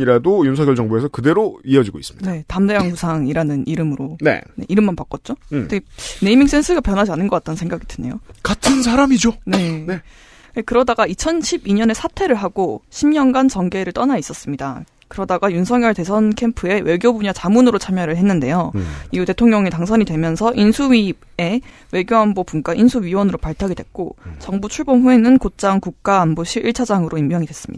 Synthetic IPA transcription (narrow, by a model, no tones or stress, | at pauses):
iɾadojunsʰʌŋjʌɭt͡ɕʌŋboesʰʌkɯde̞ɾoiʌd͡ʑiɡois͈ɯ̥mɲidnetamde̞jaŋɸusʰaŋiɾanɯniɾɯmɯɾone̞̰ne̞̰ʔiɾɯmːanpak͈ʌt̚t͡ɕ͈odeɡene̞imiŋs͈ʰe̞nsʰɯɡapjʌnɦad͡ʑianɯnɡʌk͈at͈ʌnsʰe̞ŋɡaɡidwene̞jo̰katʰɯns̬ʰaɾamid͡ʑone̞e | kekɯɾʌdaɡait͡ɕʰʌnɕʰibiɲʌne̞sʰatʰe̞ɾɯɭɦaɡoɕʰimɲʌnɡant͡ɕʌŋɡe̞ɾɯɭt͈ʌnais͈ʌs͈ɯmɲida̰ | kɯɾʌdaɡajunsʰʌŋjʌɭte̞sʰʌnkʰe̞mpʰɯe̞wʔe̞ɡjobuɲat͡ɕamunɯɾot͡ɕʰamjʌɾɯɭɦe̞nːɯnde̞joiɡɯte̞tʰoŋɲʌŋetaŋs̬ʰʌɲidwemjʌnsʰʌʔinsʰuɥi | e̞ | we̞ɡjoambobunk͈aʔinsʰuɥiwʌnɯɾopaɭtʰaɡidwe̞k̚k͈ot͡ɕʌŋbut͡ɕʰuɭbonɸuenɯnkot͡ɕ͈aŋkuk̚k͈aːmboɕʰiʔiɭt͡ɕʰad͡ʑaŋɯɾoimmjʌŋidwe̞s͈ɯ̥mɲid̥a